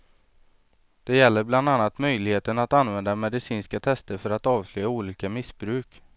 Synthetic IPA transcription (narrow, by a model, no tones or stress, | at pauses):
d̪̥ɛjɛlːəɾbland̪anːat̪mœjlɪɡheːt̪ənat̪anvɛnd̪amɛd̪ɪsiːnskat̪ʰɛst̪əɾfœɾat̪ɑːvslœːjauːliːkamɪsbɾʉ̟ːk